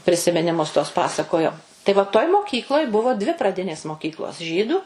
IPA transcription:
pʲrʲɪsʲɪmʲɪnʲɪˈmʊs tuɔs ˈpɑːsɐkoːjoː tɐɪ ʋɐ toːj moːˈkʲiːklˠoːj ˈbʊʋoː dʲʋʲɪ prɐˈdʲɪnʲeːs moːˈkʲiːklˠoːs ˈʒʲiːduː

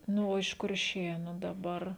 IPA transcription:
ˈnʊ oː ɪʃ kʊrʲˈʃʲeːnʊ dɐˈbɐr

